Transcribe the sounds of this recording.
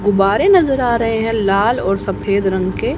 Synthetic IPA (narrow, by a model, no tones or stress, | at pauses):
ɡʊbaːɾẽnɐzəɾaːɾɐɦeɦɛ̃laːlɔːɾsɐpʰeːd̪ɾɐ̃ŋɡke